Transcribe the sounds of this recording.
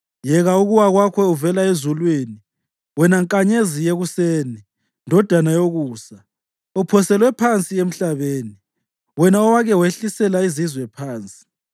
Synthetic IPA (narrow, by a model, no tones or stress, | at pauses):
jɛɣauɣuwaɣwakʰɛuvɛlaezulwini | wɛnaŋkʼaɲezijeɣuseːni | ndʱɔd̥ʱanajoɣuːsa | upʰɔsɛlwɛpʰant͡sʼiem̩ɬaβeːni | wɛnaɔwaɣɛweɬisɛlaizizwɛpʰaːnt͡sʼi̥